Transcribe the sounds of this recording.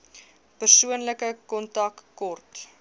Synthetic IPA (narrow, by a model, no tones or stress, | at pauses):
pərsuənləkəkɔntɐkːɔrt